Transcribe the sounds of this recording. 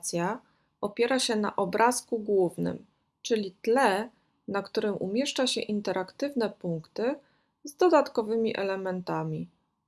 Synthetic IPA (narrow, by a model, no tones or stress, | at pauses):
t̪sʲja | ɔpʲjɛɾaɕɛna̰ʔɔbɾʔaskuɡwuvnɘ̰m | t͡ʂɘlʲit̪lɛ | nakt̪uɾɘmʔṵmʲjɛʂt͡ʂaɕɛ̰ʔint̪ɛɾakt̪ɘvnɛpuŋkt̪ɘ | zd̪ɔd̪at̪kɔvɘmʲiʔɛ̰lɛmɛnt̪amʲi